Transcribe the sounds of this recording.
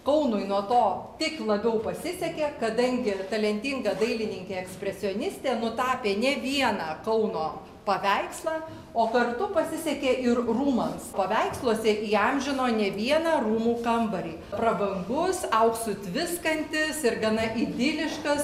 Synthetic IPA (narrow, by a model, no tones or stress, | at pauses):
kɐʊnʊɪnuɔt̪oːt̪ʲɪklˠɐbʲɛʊpɐsʲɪsʲɛkʲeːkɐd̪ɐŋʲɡʲɪt̪ɐlʲɛnʲt̪ʲɪŋɡɐd̪ɐɪlʲɪnʲɪŋʲkʲeːɛksʲpʲɾʲɛsʲɪɔnʲɪsʲt̪ʲeːnʊt̪ɑːpʲeːnʲɛʋʲiɛnɑːkɐʊnoː | pɐʋʲɛɪkslˠɑː | oːkɐrt̪ʊpɐsʲɪsʲɛkʲeːʔɪrruːmɐmspɐʋʲɛɪkslˠuɔsʲɛʔiːɐmʲʒʲɪnoːnʲɛʋʲiɛnɑruːmuːkɐmbɐɾʲiːpɾɐbɐŋɡʊsɐʊksʊt̪ʲʋʲɪskɐnʲt̪ʲɪsɪrɡɐnɐʔid̪ʲɪlʲɪʃkɐs